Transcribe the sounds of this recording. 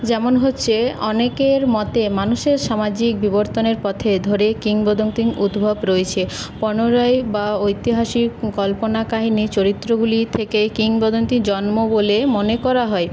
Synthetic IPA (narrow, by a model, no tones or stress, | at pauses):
d͡ʑɛmonɦotːɕʰeɔ̰nekeɾmɔt̪emanuʃeɾʃamad͡ʑik̚biboɾt̪oneɾpɔt̪ʰed̪ʱoɾekiŋbod̪ʱont̪iŋud̪bʱobɾoet͡ɕʰepɔnoɾɔebaojt̪iɦaʃikɔlponakaɦinit͡ɕoɾit̪ːɾoɡulit̪ʰekekiŋbod̪ont̪id͡ʑɔnmobolemonekɔɾaɦɔe